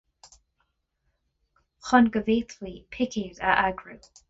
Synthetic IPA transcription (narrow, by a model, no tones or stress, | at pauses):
xɔnɡəviːt̪ʰlipʰɪkʰidə̰ʔaɡɹu